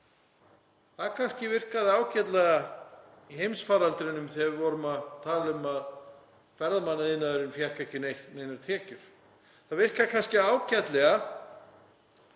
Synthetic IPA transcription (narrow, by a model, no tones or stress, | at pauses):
θaðkʰanscɪvɪr̥kaðɪaːwcɛt̪lɛɣa | iɦejmsfaːɾalt̪ɾɪnʏmθɛvɾvɔɾʏmaðt̪ʰaːlʏmað | fɛɾðamanːaðɪnːaðʏɾɪnfjar̥kɛhcɪneneːjnaɾt̪ʰɛːcʏɾ̥ | θaðvɪr̥kaðkʰanscɪaːwcɛt̪lɛɣa